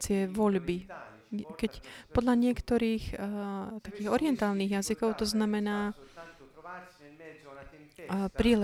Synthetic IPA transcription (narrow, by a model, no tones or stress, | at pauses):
t͡sɪɛʋɔʎbi | kɛcpɔd̪ʎaɲɪɛkt̪ɔɾiːx | t̪akiːɣɔɾiɪɛnt̪aːlniːɣjazikɔʊt̪ɔznamɛnaː | pɾiːlɛ